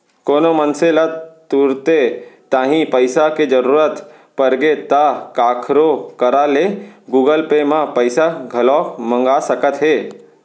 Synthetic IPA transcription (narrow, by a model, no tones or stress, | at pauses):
koːnomənselət̪uɾt̪et̪ãːɦĩpəɪsaked͡ʒəɾuːɾət̪ | pəɾɡet̪akaːkʰɾokəɾaleɡuːɡəlpemãpəɪsaɡʱɐlɔːmə̃ŋɡasəkət̪ɦeː